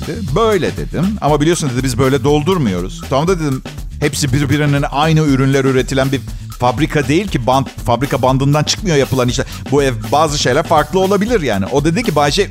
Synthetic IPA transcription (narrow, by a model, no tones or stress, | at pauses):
d̪ɪbø̞jlʲɛd̪e̞d̪ima̰mabilʲio̞snd̪eibizbø̞jlʲɛd̪o̞lˠd̪uɾmɯjo̞ɾṵz̥t̪ʰamd̪ad̪ed̪im | hepsibiɾbiɾanɯnʔajnɯyɾynlʲæɾyɾe̞t̪ʰilʲænbi | fabɾikʰad̪e̞jilʲcibant̪fabɾikʰaband̪ɯnd̪ant͡ʃʰɯ̥kmɯjo̞japɯlˠaniʃt̪ɛ | buɛbaːzɯʃe̞jlʲæɾfaɾklˠɯo̞lˠabilʲiɾjaːniʔo̞d̪e̞d̪incibad͡ʒɛ